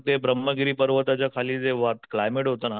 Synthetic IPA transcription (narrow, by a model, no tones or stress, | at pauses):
t̪ebɾəmːəɡiɾiːpəɾʋət̪at͡ɕjakʰaliːd͡zeʋat̪klajmeʈɦot̪ana